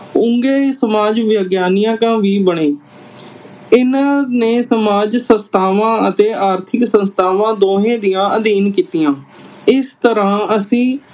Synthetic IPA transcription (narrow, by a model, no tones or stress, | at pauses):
ʊ̃ŋɡeːsəmaːd͡ʒʋjəɡjaːnɪjãːkãːʋiːbəɳeː | ɪnaːneːsəmaːd͡ʒsə̃nst̪ʰaːʋãːət̪eːaːɾt̪ʰɪksə̃nst̪ʰaːʋãːd̪oːɦẽːd̪ɪjãːʔəd̪iːnkiːt̪ijãːɪst̪əɾãːəsĩː